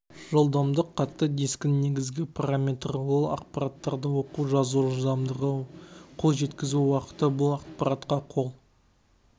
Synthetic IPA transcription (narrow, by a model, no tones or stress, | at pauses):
ʒo̞lˠd̪ɑmd̪əqʰːɑt̪ːəd̪e̞skʲɪnːe̞ɡʲɪzɡʲɪpʰaɾamʲe̞t̪rwolˠɑ̰q̚pɑɾat̪ːɑɾd̪əwo̞quʒɑzuʊd̪ɑmd̪əʁəqʰo̞lˠʒe̞t̪kʲɪzuwɑqə̥t̪əbʊlˠɑq̚pɑɾɑt̪qɑqʰo̞lˠ